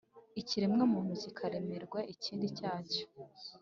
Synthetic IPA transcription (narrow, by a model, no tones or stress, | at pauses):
iciɾimŋomuːnuzikʰaɾemeɾɡweʔiciːndicaːco̥